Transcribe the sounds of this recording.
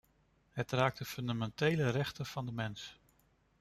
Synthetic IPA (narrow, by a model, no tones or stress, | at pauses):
ɦətraːk̚dəfɵndamɛntejlərɛχtəv̥ɑndəmɛns